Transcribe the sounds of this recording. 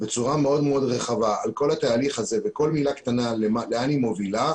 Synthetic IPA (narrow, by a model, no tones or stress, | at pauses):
be̞t͡suʁameo̞d̪meo̞d̪ʁe̞χavaalko̞lhat̪aːliχaze̞veko̞lmilakt̪analemaleanimo̞vila